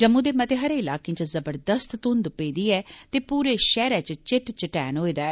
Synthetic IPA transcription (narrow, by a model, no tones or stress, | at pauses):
d͡ʒəmũːd̪eːmət̪eɦəɾeːɪlaːkẽːt͡ʃzəbəɾd̪əst̪t̪ʊ̃nd̪peːd̪iːɛːt̪eːpuːɾeːʃɛːɾɛːt͡ʃt͡ʃɪʈt͡ʃɪʈɛːnɦoːiːd̪aːɛː